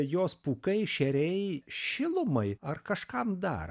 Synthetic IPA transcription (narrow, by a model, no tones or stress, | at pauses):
joːspuːkɐɪʃʲɛɾʲɛɪʃʲɪlˠʊmɐɪɐrkɐʃkɐmd̪ɐ̰r